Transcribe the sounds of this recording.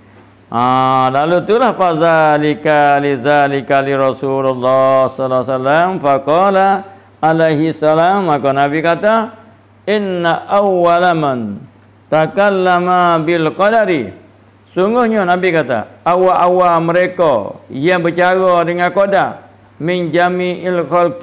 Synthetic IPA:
ʔalalut̪ulahfazalikalizalikaliɾɔsulalːasɔlasalamfaqɔla | alajɦisːalamːakonabikat̪a | ɪnːaʔawːalaman | t̪akalːamabɪlqɔdaɾi | suŋɡʊhɲanabikat̪a̰ʔawaʔawaməɾeko̰jabət͡ʃaɣɔdəŋakoda | mɪnd͡ʒamiʔɪlxɔlk̚

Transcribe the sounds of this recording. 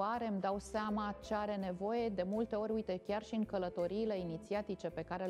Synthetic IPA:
aɾe̞md̪awseamat͡ʃe̞aɾe̞ne̞vo̞je̞d̪e̞mult̪e̞o̞ɾʲujt̪e̞kʲarʃiɨŋkələt̪o̞ɾiːle̞init̪siat̪it͡ʃe̞pe̞kaɾe̞

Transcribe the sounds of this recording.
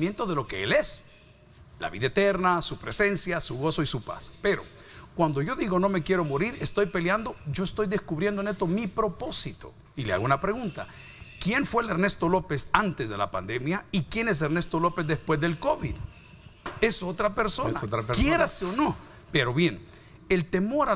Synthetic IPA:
mjent̪o̞ðe̞lo̞keele̞s | la̰βiðaet̪e̞ɾnasupɾe̞se̞nsjasuɣo̞so̞isupa̰speɾo̞̰ | kwand̪o̞ʝo̞ðiɣo̞no̞me̞kje̞ɾo̞moɾiɾest̪o̞jpe̞ljand̪o̞ɟ͡ʝo̞est̪o̞jðeskuβɾjend̪onet̪o̞mipɾo̞po̞sit̪o̞̰ | ilea̰ɣunapɾe̞ɣunt̪a | kje̞nfwe̞leɾne̞st̪o̞lo̞pesant̪ezðe̞la̰pa̰nd̪e̞mjaikjenes̬eɾne̞st̪olo̞pe̞zðespwe̞zðe̞lko̞βið | e̞sot̪ɾape̞ɾsonaot̪ɾakjeɾaseono̞ | peɾo̞βje̞n | elt̪e̞mo̞ɾa

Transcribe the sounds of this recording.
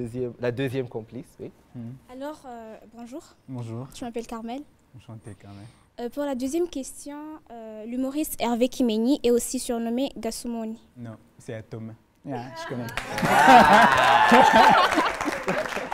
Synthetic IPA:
zjɛmlad̪øzjɛmkɔ̃pliswi | alɔʁøbɔ̃ʒuːʁbɔ̃ʒuːʁʒəmapɛlkaʁmɛl | ʃɑ̃t̪ekaʁmɛ | øpuʁlad̪øzjɛmkʲɛst̪jɔ̃ølymoʁist̪ɛʁvekʲʰimeniʔɛosisyʁnɔmeɡ̪asumoninɔ̃ | sɛat̪ɔm | ʒəkɔnɛ

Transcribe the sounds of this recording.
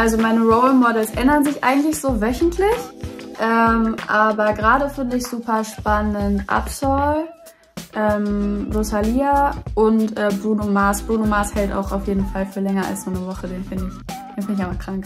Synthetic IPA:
ʔalzomaɪnəʁoʊlmɔɐdɛlsʔɛndɐnzɪçʔa̰ɪɡŋ̩tlɪçz̥oːvœçn̩tʰlɪçʔɛːmʔaːbɐɡʁaːɾəfɪndəɪçz̥uːpɐʃpanəntʔa̰psɔl | ʔɛːmdosaliːaʔʊntʔɛːbʁuːnomaːsb̥ʁuːnomaːshɛlta̰ʊxaʊfjeːdn̩falfyːɐlɛŋɐa̰lsz̥oːnəvɔχədeːnfɪndɪçd̥eːnfɪndɪçaɪbɐkʁ̥aŋk

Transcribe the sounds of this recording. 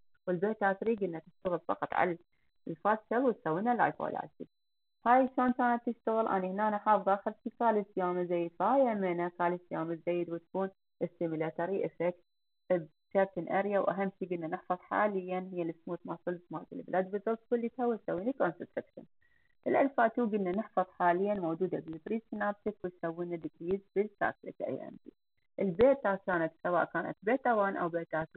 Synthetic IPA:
wɪlbeːt̪haːt̪ɾiːɡʔɪnːat̪ɪʃt̪aɣɪlfɑ̰qɑt̪ˤʕa̰la | lfat̪ʃalwɪt̪sawːinala̰jfo̰ːla̰lsḭ | haːjʃoːnkaːnat̪ːɪʃt̪aɣɪlʔa̰nihnaːnaħɑːfðˤɑʔaxɪɾt̪ikaːlisjaːmazajːd̪faaːjamɪnakaːlisjaːmɪzajːɪd̪wɪt̪kuːn | ʔɪsːɪmɪlat̪aɾiʔɪfɛkt̪ | b | tat̪ɪnʔaɾjawʔaɦamːʃiɡɪnːanɪħfɑðˤħa̰ːlɪjːanɦɪjːalɪsmuːt̪masɨlsmaːɡ̪ɪlblʔad̪̚bɨzˤɑlt̪kʊlːit̪awisawːiːnikonsɪt̪ɾɪkʃɪ̰n | ʔɪlʔalfaːt̪uːɡɪnːanɪħfɑðˤħaːlɪjːanmowd͡ʒuːd̪abɪbɾiːsnab̚t̪ɪkwɪt̪sawːiːnad̪ɪɡɾiːzbɪlsa̰ːkla̰t̪ʔa̰jʔa̰nd̪ḭː | ʔɪlbeːt̪aːkaːnat̪sawa̰ːʔkaːna̰t̪̚beːt̪awaːnʔa̰wbeːt̪aːt̪u

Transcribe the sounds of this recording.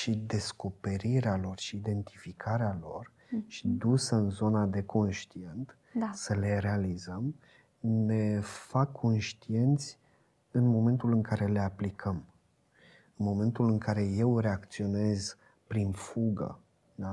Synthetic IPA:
ʃid̪e̞sko̞pe̞ɾiɾealo̞rʃiːd̪e̞nt̪ʰifikʰaɾealo̞r | ʃid̪usəɨnzo̞nad̪e̞ko̞nʃt̪ie̞nt̪ | səle̞ɾe̞alizəm | ne̞fakʰːo̞nʃt̪ie̞nt̪sʲ | ɨnmo̞me̞nt̪ulɨŋkaɾe̞le̞aplikʰəm | ɨnmo̞me̞nt̪ulɨŋkʰaɾe̞je̞wre̞ak̚t̪sio̞ne̞z | pɾinfuɡə̰ | d̪a

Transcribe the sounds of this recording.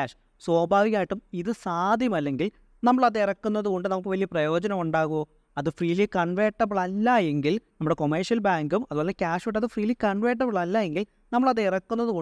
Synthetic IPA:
aːʂ | swoːbʱaːʋiɣʲaːjiʈːumiðɨsaːd̪ʱjɐmɐlːe̞ŋɡil | nɐmːɐɭɐðirɐkːunːɐðuɣo̞ɳɖɨnɐmɐɭkːɨʋɐlijɐprɐjo̞ːd͡ʑɐnɐmuɳɖaːɣuʋoː | ɐðɨfriːlikɐɳʋeːʈːɐbɨɭɐlːaje̞ŋɡilnɐmːuɽe̞ko̞mɐrʂjɐlbaːŋɡumɐðuoːlekʲaːʂʋiʈːɐðɨfriːlikɐɳʋeːʈ̬ːɐbɨɭɐlːajeŋɡil | nɐmːɐɭɐðeirɐkːunːɐðuɣo

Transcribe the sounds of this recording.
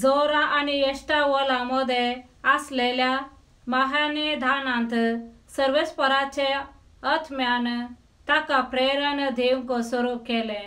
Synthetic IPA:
d͡zɔɾaʔaniesʈaʋɔlamɔd̪ʱeaslelja | maɦanəd̪ʱanãnt̪səɾʋespəɾat͡ɕe | ət̪ʰmjan | t̪akapɾeɾənd̪ʱeũŋkɔsəɾukɛlẽ

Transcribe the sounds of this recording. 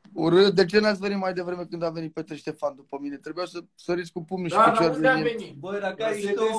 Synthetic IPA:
uɾɨd̪e̞t͡ʃe̞nat̪sʲve̞nit̪majd̪e̞vɾe̞me̞kɨnd̪ave̞nit̪̚pet̪ɾeʃt̪e̞fand̪upəmine̞t̪ɾebujawsə | səɾiskupumnuʃiet͡ʃeaɾeiebəa

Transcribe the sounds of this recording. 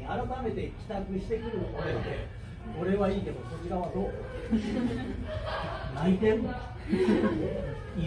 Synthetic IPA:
aɾat̪ame̞t̪e̞kʲi̥t̪akɯ̟ɕi̥t̪e̞kɯ̟ɾɯoɾed̪e̞ | o̞ɾe̞βaiːk̪emoso̞t͡ɕiɾaβ̞ad̪oːt̪ːe | nait̪ẽno

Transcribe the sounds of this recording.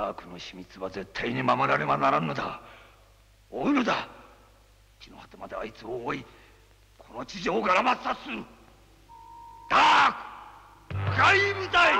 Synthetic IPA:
aːkɯ̟no̞ɕimʲit͡sɨβaze̞t̪ʰːaiɲ̟imamo̞ɾaɾe̞manaɾanːod̪a | oːinod̪a | i̥t͡ɕino̞̰hat̪emad̪eait͡sɨβoi | kʰo̞no̞t͡ɕiʑo̞ːɡaɾamasasɨ | d̪̥aːkɯ̥ | ɡaibɯt̪ai

